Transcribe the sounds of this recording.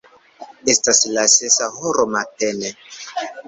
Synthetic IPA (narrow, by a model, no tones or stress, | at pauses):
estaslasesahoɾomatene